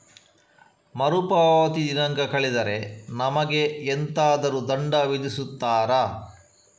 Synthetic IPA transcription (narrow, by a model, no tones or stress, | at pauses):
mɐɾupaːʋɐt̪id̪inɐŋɡɐkɐɭid̪ɐɾe̞nɐmɐɡeːnt̪aːd̪ɐɾud̪ɐɳɖɐʋid̪isut̪ːaːɾa